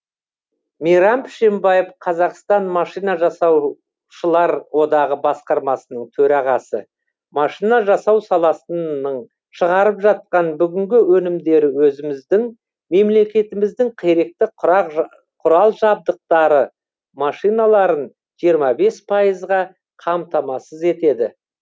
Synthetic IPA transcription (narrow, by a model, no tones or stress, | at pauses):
mijɾɑmpʰɪ̥ʃe̞mbɑjəfqʰɑzɑqst̪ɑnmɑʃijnɑʒɑsɑw | ʃəlˠɑɾwo̞d̪ɑʁəbɑsqɑɾmɑsənəɴt̪ʰɵɾɑʁɑsə̰ | mɑʃijnɑʒɑsɑwsɑlˠɑsəəɴ | ʃəʁɑɾəpʒɑt̪̚qɑnbʏɡʲɪŋɡʲɪwɵnɪmd̪e̞ɾɪwɵzɪmɪzd̪ɪŋ | me̞mle̞kʲe̞t̪ɪmɪzd̪ɪŋqʰeɾe̞k̚t̪ɪqq | qʰʊɾɑlˠʒɑb̚d̪əq̚t̪ɑɾə | mɑʃijnɑlˠɑɾən | ʒ̥ijəɾmɑbe̞spʰɑjəzʁɑ | qʰɑmt̪ʰɑmɑsəze̞t̪e̞d̪ɪ